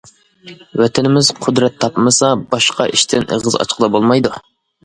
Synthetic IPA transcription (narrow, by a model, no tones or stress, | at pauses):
wɛt̪ʰɪnɪmɪz̥qʰʊd̪ɾɛt̪ʰːɑpmɨsɑbɑʃqʰɑʔiʃt̪ʰɪnʔə̰ʁəzɑ̰t͡ʃʰqʰəlˠɑbolˠmɑjd̪u